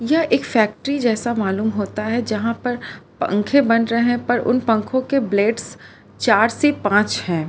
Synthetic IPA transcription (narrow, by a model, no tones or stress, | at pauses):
jɐɦeːkfɛːk̚ʈəɾid͡ʒɛːsamaːluːmɦoːt̪aɦɛd͡ʒɐɦãpɐɾpɐ̰̃ŋkʰẽbɐnɾɐɦeẽpɐɾʔʊ̰npɐ̃ŋkʰõkebleːɖs | t͡ʃaːɾsepãːt͡ʃhɛ̃ː